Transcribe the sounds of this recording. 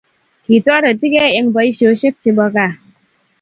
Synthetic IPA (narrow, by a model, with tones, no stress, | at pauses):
ki˨tɔ˦ɾa˨ti˦ke˦e˦ŋbɔ˨˦i˦ʃo˨˦ʃi˦k̚t͡ʃi˧bɔ˦ka˦˨